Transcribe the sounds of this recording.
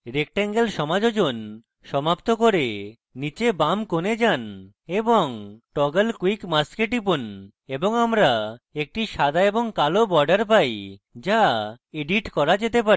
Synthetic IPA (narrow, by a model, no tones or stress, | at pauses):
ɾek̚ʈeŋɡelʃɔmad͡ʑod͡ʑon | ʃɔmapt̪okoɾe | nit͡ɕebamkoned͡ʑan | eboŋʈɔɡəlkwikmaskeʈip̬un | eboŋamɾaek̚ʈiʃad̪ʱaeboŋkalobɔɾɖaɾp̬ajd͡ʑa | eɖiʈkɔɾad͡ʑet̪epaɾ